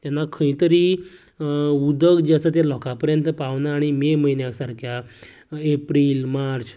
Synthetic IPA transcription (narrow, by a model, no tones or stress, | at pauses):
t̪janːakʰə̃ĩt̪əɾiː | ud̪əɡd͡ʑasət̪alɔkapəɾjənt̪əpaʋnaːɽ̃imeməinjasaɾkʰja | epɾiːlmaɾt͡s